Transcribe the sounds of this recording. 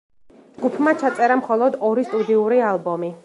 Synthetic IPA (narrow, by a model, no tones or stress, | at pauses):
d͡ʒɡupʰmat͡ʃʰat̪sʼɛɾamχɔlˠɔd̪ɔɾist̪ʼud̪iuɾialˠbɔmi